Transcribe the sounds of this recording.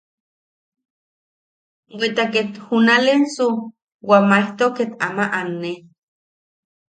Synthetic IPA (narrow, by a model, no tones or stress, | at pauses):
wet̪aket̪hunalensu | wamaiht̪oket̪a̰maʔanːe